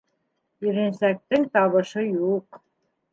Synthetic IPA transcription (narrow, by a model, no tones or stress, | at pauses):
iɾĕnsæk̚t̪ɘŋt̪ɑβɤ̆ʃɤjuq